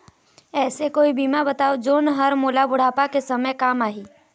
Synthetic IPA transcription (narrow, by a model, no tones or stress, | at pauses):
ɛːsekoːibiːmabɐt̪aːod͡ʒoːnɦəɾmoːlabʊɽ̤aːpakesɐməjkaːmaːɦiː